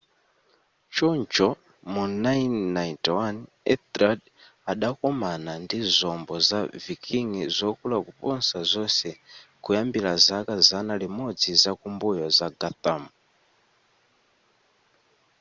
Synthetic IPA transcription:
t͡ʃɔnt͡ʃɔ | munajnːaitwan | ɛ̰tɾad | aɗakɔmanandizɔmbɔzavikʰiŋizɔkulakupɔnsazɔsɛkujambilazakazanalimɔd͡zizakumbujɔzaɡat̪amu

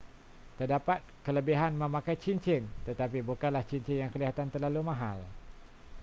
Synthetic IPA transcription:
t̪ərdapat̪̚kələbiɦanmə̃mãkajt͡ʃint͡ʃɪnt̪ət̪apibukanlaht͡ʃiɲt͡ʃɪnjaŋkəliɦat̪ant̪ərlalumãɦa̰l

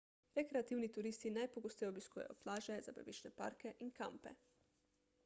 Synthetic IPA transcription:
ɾekɾɛat̪iwnit̪uɾiːst̪inajpoɡost̪ɛjoobiskuːjɛ̰jɔ̰plaːʒɛzabɛbit͡ʃnɛpa̰ɾkɛʔinka̰mpɛ

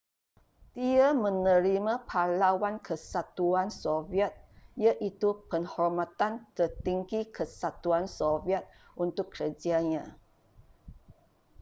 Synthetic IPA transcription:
d̪iamə̃nə̃ɾimãpʰalawankʰəsat̪uansoviɛt̪̚jaʔit̪upəŋhɔrmat̪ant̪ərt̪iŋɡikʰəsat̪uansoviɛt̪̚ | ʔunt̪ʊkːɾəd͡ʒaɲã

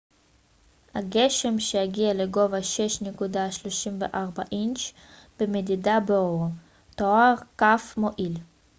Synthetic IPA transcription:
haɡeʃe̞mʃejaɡialeɡo̞vaʃeʃnekudaʃloʃimvḛʔaʁbaʔint͡ʃ | b̥emed̪idabo | t̪oaʁkafmoʔil

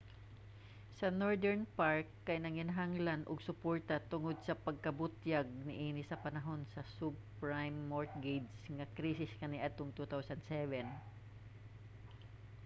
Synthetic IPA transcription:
sɐnoɹd̪ɛɹnpaɹkːɐjnɐŋɪnɐɦaŋlanʔʊɡsʊpoɹt̪ɐt̪ʊŋod̪̚sɐpɐɡ̚kɐbʊt̪jaɡ̚nɪʔiːnɪsɐpɐnɐɦo̞nsɐsupɹajmːoɹt̪̚ɡejd̪sŋɐkɾiːsɪskɐniʔɐd̪t̪oŋt̪ut̪awsɐnd̪sɛvɛn

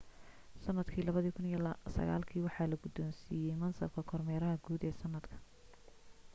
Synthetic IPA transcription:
sɐnːɐd̪kʰiːlɐβɐðiːkʰʊnijsɐ̰ɣa̰ːlkʰiːwɑħɑːlɐɡʊd̪ɔːnsiːjɛjmɐnsɐb̚kʰɐkʰɔrmɛːɾɐɦɐɡuːd̪ɛːsɐnːɐd̪kʰɐ̥

